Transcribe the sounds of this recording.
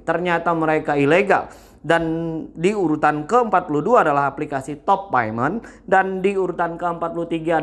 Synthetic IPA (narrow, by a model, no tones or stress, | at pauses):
t̪ərɲat̪aməɾekaileɡa̰l | dandiuɾut̪ankəəmpat̪̚puluduaːdalaɦaplikasit̪ɔpːa̰jməndandiuɾut̪ankəəmpat̪̚pulut̪iɡaː